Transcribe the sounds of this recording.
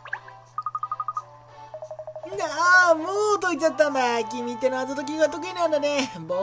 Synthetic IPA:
naamot̪oit͡ɕat̪ːamakʲimʲit̪ːenoat̪̬ot̪̬ok̬ʲiɡat̪̬okɯinãnd̪anebo

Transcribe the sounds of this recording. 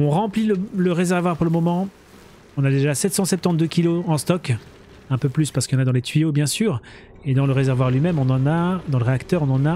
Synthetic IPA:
ɔ̃ʁɑ̃plilələʁezɛʁvwaʁpuʁləmɔmɑ̃ | ɔ̃nad̪eʒasɛt̪sɑ̃sɛp̚t̪ɑ̃t̪̚d̪økʲiloɑ̃st̪ɔk | ɛ̃pøplyspaʁsə̥kɑ̃nad̪ɑ̃let̪ɥijobjɛ̃syːʁ | ed̪ɑ̃ləʁezɛʁvwaʁlɥimɛmɔ̃nɑ̃nad̪ɑ̃ləʁeakt̪œʁɔ̃nɑ̃na

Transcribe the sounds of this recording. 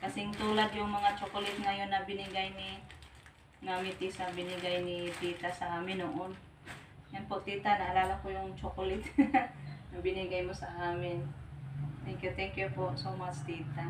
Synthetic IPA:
kɐsɪŋt̪uːlad̪jʊŋmɐŋat͡ʃokolɪt̪̚ŋajonːɐbɪnɪɡajni | ŋamɪt̪isabɪnɪɡajnit̪iːt̪asɐʔaːmɪnoʔon | janpoʔt̪iːt̪anɐʔːlaːlakojʊŋt͡ʃokolɪt̪ | nɐbɪniɡajmosɐʔaːmɪn | t̪ɛŋkjʊt̪ɛŋkjʊpoʔsomat͡ʃt̪iːt̪a

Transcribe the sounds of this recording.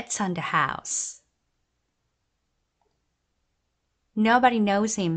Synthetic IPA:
tsə̃n̩ðɨha̰ʊs | noʊbəɾinoʊz̥hɪ̃m

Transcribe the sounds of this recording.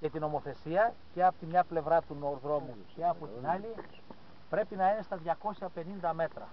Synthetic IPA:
ce̞t̪ino̞mo̞θe̞siɐce̞ɐpot̪imɲɐple̞vɾɐt̪unoɾðɾo̞mu | ce̞ɐpot̪inɐli | pɾe̞pinɐine̞st̪ɐðʝɐko̞sçɐpe̞nind̪ɐme̞t̪ɾɐ̰

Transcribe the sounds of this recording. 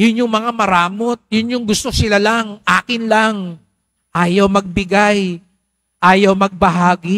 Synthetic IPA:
jʊnjʊŋmɐŋamɐɾaːmot̪̚jʊnjʊŋɡʊst̪osɪlalaŋʔaːkɪnlaŋ | ʔaːjɐwmɐɡ̚bɪɡaj | ʔaːjɐwmɐɡ̚bɐɦaːɡɪ

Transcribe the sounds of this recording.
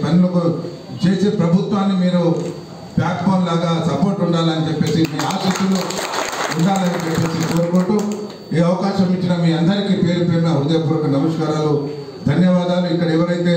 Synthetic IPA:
pɐnulɐku | t͡ʃeːseːpɾɐbʱut̪ʋaːnːimiːɾu | bjaːkboːnlaːɡaːsɐpo̞ːɾʈuɳɖaːlɐnit͡ʃepːe̞ːsimiːaːsiːsulu | uɳɖaːlɐnit͡ʃepːe̞ːsiko̞ːɾukoɳʈu | iːɐʋɐkaːʃɐmiʈːinɐmiːɐnd̪ɐɾikiːpe̞ːɾupeːɾunɐɦud̪ɐjɐpuːɾɐkɐnɐmɐʂkaːɾaːlu | d̪ʱɐnjɐʋaːd̪aːluikːɐɽɐɛʋɐɾɐjt̪e̞ː

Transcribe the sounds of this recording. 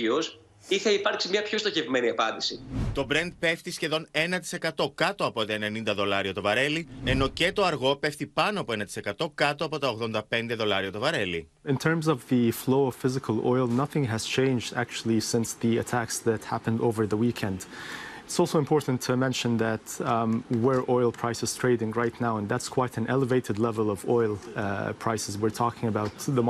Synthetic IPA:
ios | iθɐipɐɾksimɲɐpçost̪oçevmeniɐpɐnd̪isit̪o̞bɾe̞nd̪̚pe̞ft̪isçe̞ðo̞ne̞nɐt̪i̥se̞kɐt̪o̞kɐt̪o̞ɐpo̞t̪ɐene̞nind̪ɐðo̞lɐɾiot̪ovɐɾe̞lie̞no̞ce̞t̪o̞ɐɾɣo̞pe̞fθipɐnoɐpo̞e̞nɐt̪i̥se̞kɐt̪o̞kɐt̪oɐpo̞t̪ɐo̞ɣðo̞nd̪ɐpe̞nd̪e̞ðo̞lɐɾiot̪o̞vɐɾe̞li | ɪ̃ntʰɜ̃˞mzʌvðɨfloʊʌv̥fɪzɨkʰəlˠɔɪlˠnʌθɪ̃ŋɨz̥t͡ʃʰẽɪ̃nd͡ʒdæ̰k̚t͡ʃul̩ˠisɪ̃nsðiɨtʰæksðɨthæpə̃ndoʊvə˞ðəwikʰɛ̃ndɪtsɔlˠsoʊɨ̃mpʰɔɹʔn̩tʰɨmɛ̃nʃɨ̃nðɨt | wə˞ʔɔɪlˠpʰɹ̥aɪsɨz̥tʰɹ̥eɪɾɪ̃ŋɹaɪtⁿnaʊə̃nðætskʰw̥aɪɾɨ̃nʔɛlˠəveɪɾɨdˡlɛvəlˠʌvɔɪlˠpʰɹ̥aɪsɨzwɨɹtʰɔkɪ̃ŋəbaʊt̪ðə

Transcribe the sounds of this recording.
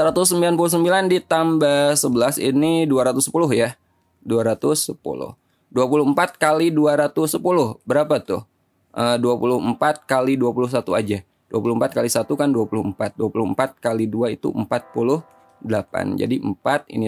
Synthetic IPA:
səɾat̪ʊsːəmbilanpulʊhsəmbilandit̪ambasəbəlasḭniduaɾat̪ʊsːəpulʊɦja | duaɾat̪ʊsːəpṵlʊ̰h | duapulʊhəmpat̪̚kaliduaɾat̪ʊsəpulʊhbəɾapat̪ʊ̰h | ʔəduapulʊhəmpat̪̚kaliduapulʊhsat̪uad͡ʒa | duapulʊhəmpat̪̚kalisat̪ukanduapulʊhəmpat̪̚duapulʊhəmpat̪̚kaliduait̪ṵʔəmpat̪̚pulʊh | dəlapa̰nd͡ʒa̰diʔəmpat̪̚ḭni

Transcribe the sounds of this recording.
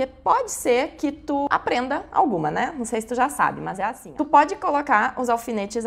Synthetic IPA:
kepɔd͡ʒɪseɾkɪt̪ua̰pɾẽnd̪ɐa̰wɡũmɐnɛnɐ̃w̃sejsɪ̥t̪uʒasa̰bɪmɐzɛasĩtupɔd͡ʒɪkolokaɾʊzawfinet͡ʃɪz

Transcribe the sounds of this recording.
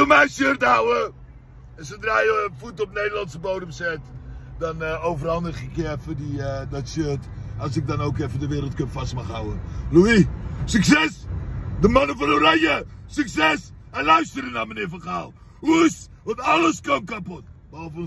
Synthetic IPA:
omɛjsørtəɦawə | ɛs̬ədraːjəfutɔp̚nejdəlɑntsəbowdəmsɛtdɑnowfərhɑndəχɪkəɛfədiədɔtsørtɑs̬ɪk̚dɑnowkɛfədəʋɪːɾəlˠt̚kønfɑstmɑχɦawəluisyksɛsdəmɑnəfɑnərajəsyksɛs | ɛnlœɥstərənamənɪːɹfɑnχaːlˠ | us | ʋɑntɑləskomkapɔt̚ | bəɑlˠvə

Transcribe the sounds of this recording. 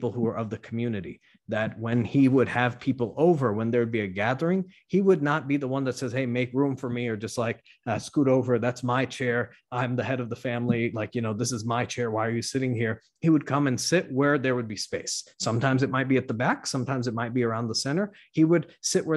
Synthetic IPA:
pl̩ˠhuə˞ʔʌvðɨkʰm̩jʉnɨɾḭ | ðɨt̚wɨ̃niwəd̚ɨv̥pʰipl̩ˠoʊvə˞wə̃nðə˞wɨd̚biɨɡæðə˞ɪ̃ŋ | iwədⁿnət̚b̥iðəwʌ̃nðɨtsɛz̥heɪmeɪkɹũɱfə˞miə˞d͡ʒʌst̚ˡlaɪk | ʌskuɾoʊvə˞ðætsmaɪt͡ʃʰɛɹ | ãɪ̃mðɨhɛɾʌvðəfæ̃mlilaɪkjɨnoʊðɪsɨzmaɪt͡ʃʰɛɹwaɪə˞jʉsɪɾɪ̃ŋhiɹ | hiwəd̚kʰʌ̃mɨ̃nsɪt̚wə˞ðə˞wɨd̚bispeɪsːʌ̃mtʰãɪ̃mzɨt̚maɪt̚b̥iɨt̪̚ðəbæksʌ̃mtʰãɪ̃mzɨt̚maɪt̚b̥iə˞ãʊ̃nðəsɛ̃ɾ̃ə˞ | iwəd̥̚sɪʔ̚wʔə˞

